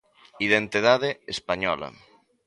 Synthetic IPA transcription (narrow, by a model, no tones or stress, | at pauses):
iðent̪iðaðeespaɲɔ̰lɐ̰